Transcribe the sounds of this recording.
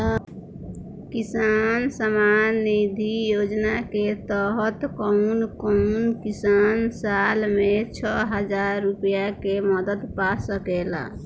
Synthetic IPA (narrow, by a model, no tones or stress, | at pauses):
kisansəmanːid̪ʱijod͡ʒnaket̪əɦət̪kɔʊnkɔnkisansalmet͡ʃʰəɦəd͡ʒaɾːupjakeməd̪əd̪pasəkela̰